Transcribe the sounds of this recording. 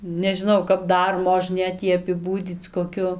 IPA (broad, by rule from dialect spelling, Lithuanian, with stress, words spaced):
nʲɛʒʲɪˈnɐʊ kɐp ˈdɐr moːˈʒʲnʲeːt ˈjiː ɐpʲɪˈbuːdʲiːt͡s koːˈkʲʊ